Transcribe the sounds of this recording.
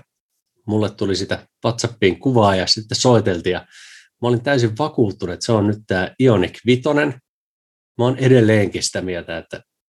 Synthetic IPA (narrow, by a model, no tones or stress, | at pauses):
mulːet̪t̪ulisit̪æʋɑt̪sɑpːiːŋkuʋɑːjɑsit̪ːeso̞it̪e̞lt̪iːjɑ | mɑolint̪æys̬iʋʋɑkuːt̪ːunet̪seonnyt̪t̪ːæːio̞nikʋit̪o̞ne̞n | mæone̞de̞lːeːŋkisi̥t̪æmielt̪æet̪ːæ